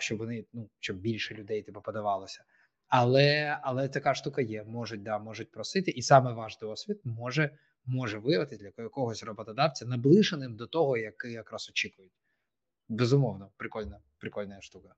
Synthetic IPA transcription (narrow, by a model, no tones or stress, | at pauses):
ʃt͡ʃɔbʋɔnɪnuʃt͡ʃɔb̚bʲilʲʃɛlʲʊd̪ɛjt̪ɛpɐpɔd̪ɐʋɑlˠɔsʲɐ̥ | ɐlˠɛɐlˠɛt̪ɐkɑʃt̪ukɐjɛmɔʒʊt̚ʲd̪ɑmɔʐʊt̚ʲpɾɔsɪt̪ɪʔisɑmɛʋɑʒd̪ɔɔsʲʋʲit̪̚mɔʒɛ | mɔʒɛʋɪjɐʋɐt̪ɪsʲd̪ʲlʲɐkɔɦɔsʲrɔbɔt̪ɐd̪ɑwt͡sʲɐnɐblˠɪʃenɪmd̪ɔt̪ɔɦɔjɐkɪɐkɾɑsɔt͡ʃikʊjʊtʲ | bezʊmɔwnɔpɾɪkɔlʲnɐ | pɾɪkɔlʲnɐjɐʃt̪ukɐ